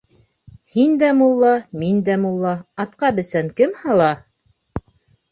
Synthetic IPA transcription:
hind̪æmulˠːɑmind̪æmulˠːɑɑt̪̚qɑbɘ̆sæŋkɘmhɑlˠɑ

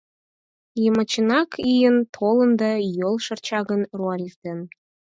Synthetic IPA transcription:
jəmə̆t͡ɕə̆nɑkʰijənt̪ʰolə̆nd̪ɑjolˠʃərt͡ɕɑɣənruɑlʲifd̪en

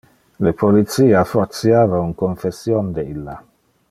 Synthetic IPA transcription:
lepolit̪siːafort̪sjaːvauŋkoɱfesjond̪eilːa

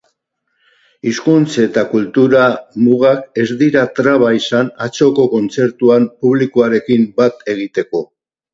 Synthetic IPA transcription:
iskunt͡se̞t̪akult̪uɾamuɣake̞zd̪iɾat̪ɾaβaisanat͡so̞ko̞ko̞nt͡se̞ɾt̪uampuβ̞likuaɾe̞kimbat̪e̞ɣ̞it̪e̞ko̞

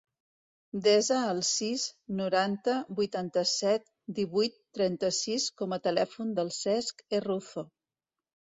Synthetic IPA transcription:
d̪ezəːlˠsiznuɾant̪əbujt̪ant̪əsɛt̪̚ | d̪iβujt̪ːɾɛnt̪əsiskɔmət̪əlɛfund̪əlˠsɛskeruθo

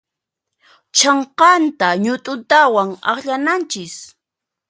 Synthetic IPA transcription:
t͡ʃɑɴqɑnt̪aɲʊt̪ʼʊt̪awaŋɑ̰χʎanant͡ʃɪs

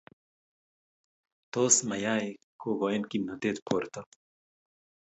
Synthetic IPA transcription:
t̪oːsmɐjaːe | koːɡoːjnkinɐd̪eːt̪pʰoːɾt̪a

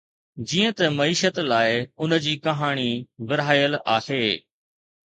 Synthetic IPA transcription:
d͡ʑiːə̃t̪ɐmɐiːʃət̪laːɪʊnə̆d͡ʑiːkɐɦaːɽ̃iʋɪɾaːjəlaːheː

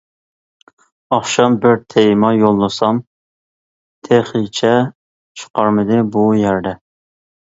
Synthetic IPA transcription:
ɑχʃɑmbɪɾt̪ʰejmɑjolˠːɨsɑm | t̪ʰeχit͡ʃʰɛ | t͡ʃʰu̥qɑɾmɪd̪ɪbujæɾd̪ɛ

